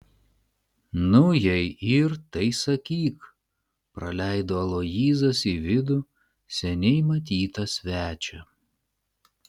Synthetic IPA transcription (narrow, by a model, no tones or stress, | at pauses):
nʊjɛɪɪɾt̪ɐɪsɐkʲiːk | pɾɐlʲɛɪd̪oːɐlˠoːjiːzɐsiʋʲɪd̪ʊ | sʲɛnʲɛɪmɐt̪̬ʲiːt̪ɐsʲʋʲæːt͡ʃʲɛ